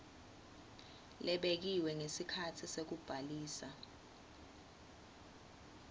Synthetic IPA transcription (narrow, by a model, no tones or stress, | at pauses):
lɛɓek̬iwɛŋesikʰatʰisek̬ub̥ʱaliːsa